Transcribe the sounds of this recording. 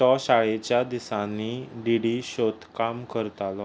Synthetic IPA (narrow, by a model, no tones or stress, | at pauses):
ɔɕaɭet͡ɕjad̪isãnːiɖ̪iɽiɕot̪kamkəɾt̪alɔ